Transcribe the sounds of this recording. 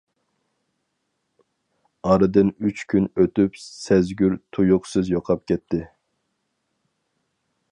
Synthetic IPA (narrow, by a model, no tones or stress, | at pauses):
ɑɾɨd̪ɨnyt͡ʃkʲʰynøt̪ypsɛzɡʲyɾt̪ʰujʊqsɨzjoqʰɑp̚kʲɛt̪ʰːɪ